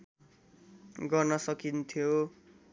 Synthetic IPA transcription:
ɡʌrnʌsʌkint̪ʰjo

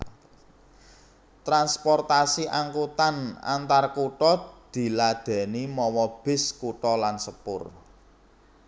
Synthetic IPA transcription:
t̪ɾanspɔrt̪asiʔaŋkut̪ana̰nt̪arkuʈɔd̪̥i̤lad̪̥ɛ̤nimɔwɔb̥ɪ̤skuʈɔlansəpʊ̰r

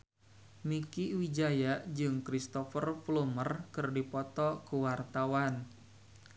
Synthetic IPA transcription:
mikiwid͡ʒajaʔd͡ʒɨŋkɾist̪ɔfərflumərkɨrdipɔt̪ɔkuwart̪awan

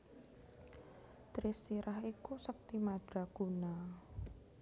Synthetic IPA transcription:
t̪ɾisiɾʔaɦikusək̚t̪imad̪̥ɾaɡ̥una

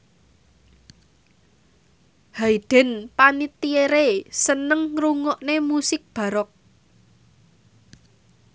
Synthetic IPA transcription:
haid̥ɛ̤npanit̪ieɾesənəŋɾuŋɔʔnemusɪk̚b̥ä̤ɾɔk̚

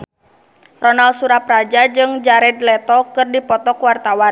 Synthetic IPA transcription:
rɔnalsuɾaprad͡ʒad͡ʒɨŋd͡ʒaɾɛd̪lɛt̪ɔkɨrdipɔt̪ɔkwart̪awan

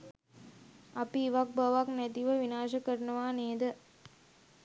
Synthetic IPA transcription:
ɐpiːʋɐk̚bɐʋaknet̪iʋɐʋinaːʂɐkːɐɾnɐʋaːneːd̪ɐ

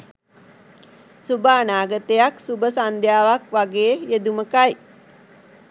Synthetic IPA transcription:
subaːnaːɡət̪ejaksubəsand̪ʱjaːʋakʋaɡeːjed̪uməkaj

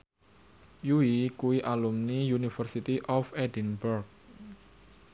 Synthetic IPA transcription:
juwikuwiʔalumnijunifərsit̪iʔɔfedinbɛrk̚

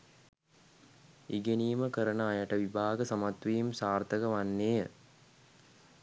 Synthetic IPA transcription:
iɡeniːməkəɾənəajaʈəʋibʱaːɡəsamat̪ʋijimsaːrt̪əɡəʋanːeːjə

